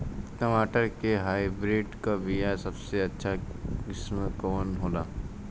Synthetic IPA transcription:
ʈəmaːʈəɾkeɦaːibɾeːɖkaʋijasɐbseɐtːʃʰakɪsməkɔːnɦoːlaː

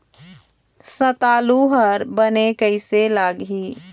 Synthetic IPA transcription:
sət̪aːluɦəɾbənekəɪselaɡɦi

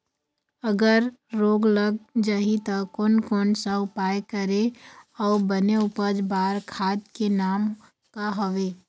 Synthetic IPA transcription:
əɡəɾɾoːɡləɡ̚d͡ʒaːɦit̪akoːnkoːnsaʊpaːjkəɾeɔːbəneʊpəd͡ʒbaːɾkʰaːd̪kenaːm | kaɦoʋeː

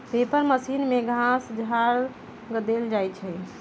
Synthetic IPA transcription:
p̪epəɾməsinmeɡʱãsd͡ʒʱaɾ | ɡd̪eld͡ʒajt͡ʃʰɛ

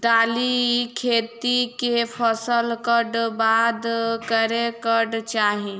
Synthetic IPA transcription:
t̪aːlikʰeːt̪ikepʰəsəlkəɖbad̪kəɾekəɖt͡ʃaːɦĩ

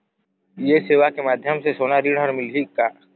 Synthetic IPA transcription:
jeseːʋakemaːd̪ʱjəmsesoːnaɾiɽəɾmɪlɦikaː

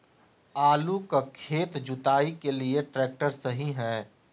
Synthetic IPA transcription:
aːlukakʰeːt̪d͡ʒʊt̪aːikelieʈɾɛːk̚ʈəɾsɐɦiɦɛː

